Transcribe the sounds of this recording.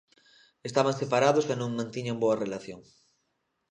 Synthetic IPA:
est̪aβãŋsepaɾaðosanõŋmãnt̪iɲamboɐrelaθjoŋ

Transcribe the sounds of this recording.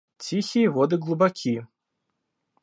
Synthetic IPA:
t͡sʲixʲijɛvɔd̪ɨɣlˠubakʲʰi

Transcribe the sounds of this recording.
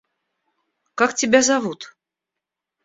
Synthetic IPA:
kaktʲɪbʲæzavut̪

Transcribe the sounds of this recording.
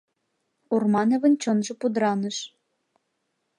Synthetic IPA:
urmɑnĕvə̆nt͡ɕonʒɤ̆pud̪ɾɑnɤ̆ʃ

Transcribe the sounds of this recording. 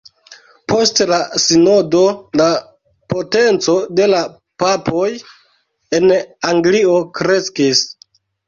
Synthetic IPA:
po̞stlasinodo̞la | po̞te̞nt͡so̞de̞la | papʰo̞j | e̞naŋɡlio̞kɾe̞skis

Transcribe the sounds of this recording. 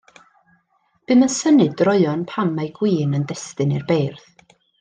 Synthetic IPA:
b̥ɨmənsənɨdrɔɨɔnpʰanmajɡwiːnəndɛstɨnirbejrθ

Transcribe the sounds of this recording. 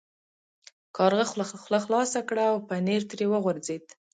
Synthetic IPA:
kʰɑɾɣaxlaxlɑsakɽaːwpəneɾt̪ɾewəɣʊɾzed̪

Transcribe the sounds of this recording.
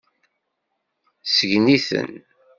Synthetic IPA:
səʝniθə̰n

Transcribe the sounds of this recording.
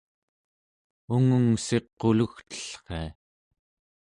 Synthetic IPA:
uŋuŋse̞qːoluxt̪ə̥ɬχe̞̰a

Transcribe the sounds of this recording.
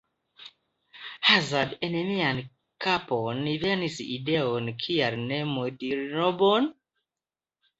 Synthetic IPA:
hazadɛnɛmian | kʰapɔnivɛnisiidɛɔnkʰiaɾnɛmodinɔbɔn

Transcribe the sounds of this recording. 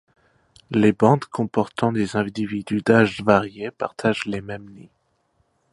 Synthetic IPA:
lebɑ̃d̪kʰɔ̃pɔʁt̪ɑ̃d̪ezɛ̃d̪ivid̪yd̪aʒvaʁjepaʁt̪ʰaʒlemɛmni

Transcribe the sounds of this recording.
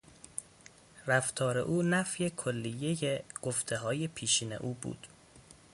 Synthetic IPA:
ræft̪ʰɒːɾe̞̰ʔuːnæfje̞kʰolːijejeɡ̥oft̪ʰe̞ɦɒːjepʰiːʃiːne̞̰ʔuːbṵːd̪̥

